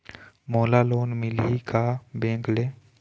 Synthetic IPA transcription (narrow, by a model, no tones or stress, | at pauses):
moːlaloːnmɪlikabẽːkleː